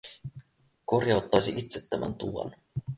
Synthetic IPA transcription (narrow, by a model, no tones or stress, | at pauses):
korjɑwt̪ːɑjsiʔit̪set̪ːæmʔæ̰nt̪uɑ̰n